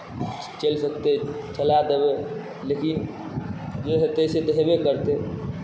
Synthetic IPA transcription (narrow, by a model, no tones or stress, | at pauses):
t͡ʃelsək̚t̪et͡ʃəlad̪ebe | lekin | d͡ʒeɦet̪eset̪ɔɦebekəɾt̪e